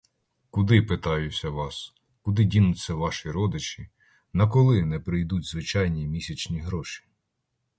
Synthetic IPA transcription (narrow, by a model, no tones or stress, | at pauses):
kʊd̪ɪpɪt̪ɑjʊt͡sʲːɐʋɑs | kʊd̪ɪdʲinʊt͡sʲːɐʋɑʃiɾɔd̪ɪt͡ʃʲi | nɐk̬ɔlˠɪnɛpɾɪjd̪utʲzʋɪt͡ʃɑjnʲimʲisʲɐt͡ʃnʲiɦɾɔʃi̥